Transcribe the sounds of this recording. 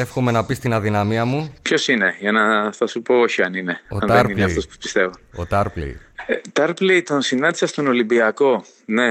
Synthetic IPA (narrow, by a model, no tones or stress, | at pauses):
efxome̞nɐpist̪inɐðinɐmiɐmupço̞sine̞ʝɐnɐθɐsupo̞oçiɐnine̞oɐnt̪ðeɾinleɐt̪ospu̥spi̥st̪e̞vunot̪ɐɾplḭt̪ɐɾplit̪o̞nsinɐnd̪isɐst̪ono̞limbiɐko̞ | ne̞